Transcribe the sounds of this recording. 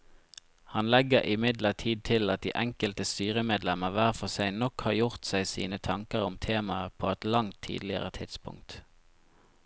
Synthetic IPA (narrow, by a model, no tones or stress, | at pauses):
hɑnlɛɡəʔɪmɪd̪ləʁt̪ʰiːd̪̚t̪ʰɪlɑt̪̚d̪iːʔɛŋkəlt̪əst̪yːʁəmeːd̪lɛməʁʋæːʁfɔsæɪnɔkhɑːjʊʁt̪sæɪsḭːnət̪ʰɑŋkəʁʊmt̪ʰeːmɑəpʰoːɛt̪lɑŋt̪ʰːḭːd̪lɪə̰ʁət̪ʰɪt̪spʊ̰ŋkt̪